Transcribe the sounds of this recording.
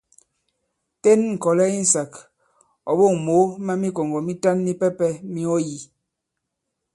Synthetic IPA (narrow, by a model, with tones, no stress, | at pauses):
te˦nŋ̩˨kɔ˨lɛ˦i˦n̩˨sa˨k | ɔ̰˨ɓo˦˨ŋmo˨˦ma˦mi˦ko˨ŋɡɔ˨mi˦ta˦nmi˦pɛ˦pɛ˦mi˦ɔ˦ji˨